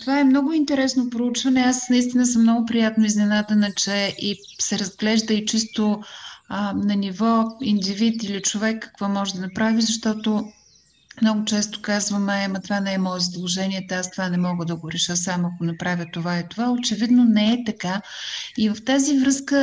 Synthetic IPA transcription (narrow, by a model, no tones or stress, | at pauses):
t̪ovaɛmnɔɡʊint̪ɛɾɛsnopɾout͡ʃvɐnɛasnɐist̪inəsəmːnɔɡʊpɾijat̪noiznɛnad̪ənɐt͡ʃɛʔi | sɛɾɐzɡlɛʒd̪əit͡ʃist̪o | nɐnivɔind̪ivit̪ilit͡ʃovɛkːɐ̥kvɔmɔʒɛd̪ɐnɐpɾavizɐʃt̪ɔt̪o | mnɔɡʊt͡ʃɛst̪o̥kazvəmɛmɐt̪ovanɛɛmɔɛzɐd̪lˠoʒɛniɛt̪ɛast̪ovanɛmɔɡəd̪ɐɡoɾɛʃəsamɐkonɐpɾavʲjət̪ovaɛt̪ovaot͡ʃɛvid̪nonɛɛt̪ɐkaivəft̪azivɾɤskə